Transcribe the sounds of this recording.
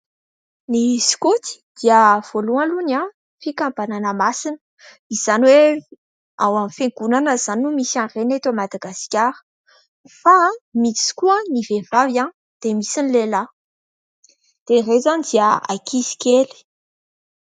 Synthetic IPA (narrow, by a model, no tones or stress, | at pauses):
nisi̥kut̪i̥d̪̥iəv̥oluãluna | fikambananəmasinə̥ | iz̥anwe | awamfeŋɡunanəz̥anumisarenet̪amad̪aɡaskʲaɾə̥ | famit͡si̥kuənivevavjãn | d̪̥emisinlela | d̪̥erezanid̪iəa̰kizi̥keli̥